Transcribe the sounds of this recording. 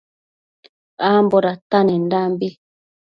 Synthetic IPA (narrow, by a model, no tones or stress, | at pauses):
amboɾatanɛndambi